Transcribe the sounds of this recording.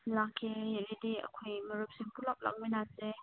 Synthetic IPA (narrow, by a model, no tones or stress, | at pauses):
lakʰːelidiɐ̰kʰojməɾup̚siŋpulap̚la̰k̚mijnase